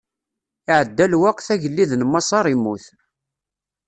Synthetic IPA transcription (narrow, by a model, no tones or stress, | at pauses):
iʕəd̪ːælwæqθæʝəlːiðnmːɑsˤɑɾˤimːuθ